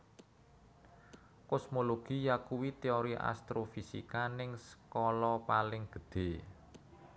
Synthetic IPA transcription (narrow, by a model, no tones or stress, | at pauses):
kosmoloɡ̥i̤jakuwit̪eoɾiʔa̰st̪ɾofisḭkanɪŋsə̥kɔlɔpalɪŋɡ̥ə̤d̪̥e̤